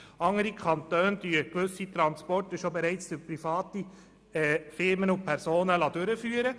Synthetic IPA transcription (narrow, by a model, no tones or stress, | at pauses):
ɑŋəɾikʰɑnt̪œːndyːəkʋʏsit̪ɾɑnspɔrtəʃobɛɾɛɪt͡sfyɾprifɑːti | ɛfɪɾmənʊpʰɛɾsoːnəlɑdʉɾəfyːəɾə